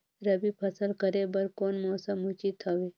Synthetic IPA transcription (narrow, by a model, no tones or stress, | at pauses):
ɾɐbipʰɐsəlkəɾebɐɾkoːnmɔːsəmut͡ʃit̪ʰaːʋeː